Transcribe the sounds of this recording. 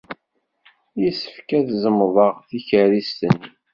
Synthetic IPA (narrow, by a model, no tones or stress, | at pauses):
jisə̥fkæðzəmðˤɑʁθiçəɾist̪ənːi